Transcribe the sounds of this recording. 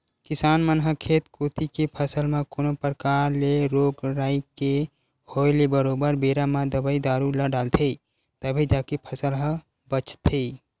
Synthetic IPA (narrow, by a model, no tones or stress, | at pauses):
kɪsaːnmənɦəkʰeːt̪kot̪ikepʰəsəlmẽkonopəɾkaːɾleɾoːɡɾaːike | hoelebəɾoːbəɾbeːɾamãd̪əbəid̪aːɾuləɖaːlt̪ʰe | t̪əbʱid͡ʒaːkipʰəsəlɦə̃ | bət͡ʃt̪ʰe